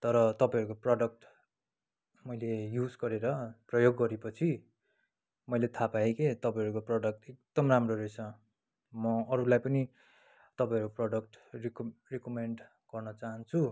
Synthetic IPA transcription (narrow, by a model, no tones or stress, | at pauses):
t̪ʌɾʌt̪ʌpãɦʌɾukoprʌɖʌk̚ʈ | mʌjlejud͡zɡʌɾeɾʌprʌjoɡːʌɾepʌt͡sʰi | mʌjlet̪ʰapaeket̪ʌpãĩɦʌɾukoprʌɖʌk̚ʈek̚d̪̥ʌmramroɾesʰʌ | mʌʌɾulajpʌni | t̪ʌpãj̃ʌɾukoproɖʌkʈrkrekomeɳɖ | ɡ̥ʌrnʌt͡saɦʌnt͡sʰu